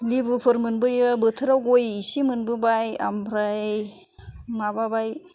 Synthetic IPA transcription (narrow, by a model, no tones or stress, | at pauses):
libɯpʰɯɾmɯnbɯjɯbɯtʰɯɾawɡojisimɯnbɯbaja̰mɾaj | mababaj